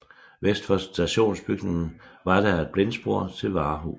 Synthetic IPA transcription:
ʋesd̥fɒsd̥æɕo̝̰ːnsb̥yɡ̥neŋn̩ʋɑ̈d̥æɪd̥̚b̥le̝nsb̥o̝ɐ̰t͡sʰe̝lʋɑ̈ːɦu

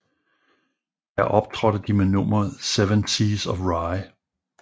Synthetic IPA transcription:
jæɐʔɒ̽b̥̚t͡sʰʁɒɾ̥əd̥imenɔmɐð̩ˠseʋənsisɒfʁɑɪ

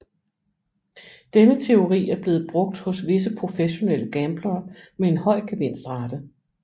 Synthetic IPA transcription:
d̥enət͡sʰe̝o̝ʁḭːæɐb̥le̝ːð̞̩ˠb̥ʁɔ̽ɡ̥̚d̥hɔ̽sʋe̝s̬əpʰʁo̝feɕo̝nel̰əɡ̥æmb̥lɐːmee̝nhɒ̽ɪ̰ɡ̥eʋen̰sd̥ʁɑ̈d̥ə

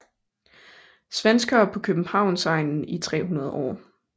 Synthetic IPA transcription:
sʋensɡ̥ɐːpʰɒ̽kʰøb̥m̩hɑ̈ʊ̰nsɑ̈ɪnn̩it͡sʰʁɛ̰ːɦunɐð̞ˠʔɒ̰ː

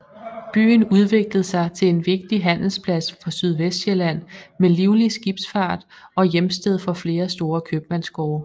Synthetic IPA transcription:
b̥y̰ːn̩uð̞ˠʋe̝ɡ̥ləð̞̩ˠsɑ̈ɪt͡sʰe̝le̝nʋe̝ɡ̥̚d̥iɦæn̰l̩spʰlæsfɒsyð̞ˠʋesd̥ɕelæn̰meliʊlisɡ̥ib̥sfɑ̈ːd̥ɒ̽jemsd̥eð̞̰ˠfɒ̽fle̝ːɐsd̥o̝ːɐkʰøb̥mænsɡ̥ɒːɐ

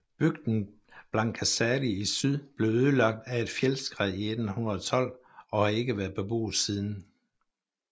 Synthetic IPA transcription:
b̥yɡ̥d̥n̩ | b̥lɑ̈nkʰæsæliisyð̰ˠb̥le̝ʊøð̞ˠlɑ̈ɡ̥̚d̥æe̝d̥fjelsɡ̥ʁiied̥n̩hunɐðˠɒt͡sʰɒ̽l̰ | ɒ̽hɑ̈e̝ɡ̥əʋæɐðˠb̥eb̥o̝̰ːð̩ˠsiːð̞ˠn̩

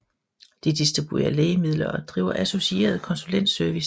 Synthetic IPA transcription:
d̥id̥isd̥ʁib̥ue̝̰ɐleːɪəmið̞̰ˠlɐʔɒ̽d̥ʁḭːʊɐʔæso̝sie̝̰ːɐð̞̩ˠkʰɒ̽nsulen̰d̥søɐʋis

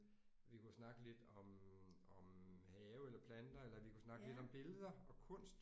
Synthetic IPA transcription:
ʋikʰusnɑ̈ɡ̥əle̝d̥ɒ̽mɒ̽mhɛːʊelɐpʰlænd̥ɐelɐʋikʰusnɑ̈ɡ̥əle̝d̥ɒ̽mb̥e̝ləð̞ˠɐɒ̽kʰɔ̽n̰sd̥

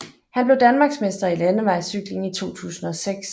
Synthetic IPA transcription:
hænb̥le̝ʊd̥ænmɑ̈ːɡ̥sme̝sd̥ɐilænəʋɑ̈ɪsyɡ̥le̝ŋit͡sʰo̝̰ːt͡sʰṵːsn̩ɒ̽seɡ̥s

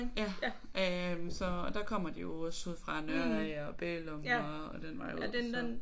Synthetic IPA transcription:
jæ | ømsɒ̽ːd̥ɑ̈kʰɒ̽m̰ɐd̥ijo̝ɒsuð̰ˠfʁɑ̈nøɐɒb̥eːlɔmɒɒd̥enʋɑ̈jo̰

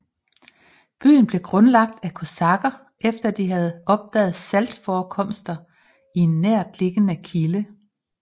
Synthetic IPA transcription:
b̥y̰ːn̩b̥le̝ɡ̥ʁɔ̽nlɑ̈ɡ̥̚d̥ækʰo̝sɑ̈ɡ̥ɐ | ʔefd̥ɐd̥iɦæð̞̩ˠɒ̽b̥̚d̥ɛ̰ːð̩ˠsæld̥fɒːkʰɒ̽m̰sd̥ɐ | ie̝nːæɐ̰d̥le̝ɡ̥ənəkʰilə

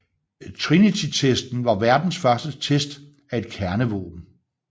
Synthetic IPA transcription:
t͡sʰʁinit͡sʰit͡sʰesd̥n̩ʋɑ̈ʋæɐd̥n̩sfɶɐsd̥ət͡sʰesd̥ | æe̝d̥kʰæɐnəʋo̰ːb̥n̩

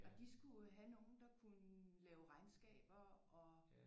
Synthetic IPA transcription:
ɒd̥isɡ̥uɦæno̝ːn̩d̥ɑ̈kʰunəlɛːʊʁɑ̈ɪnsɡ̥ɛ̰ːb̥ɐɒ̽

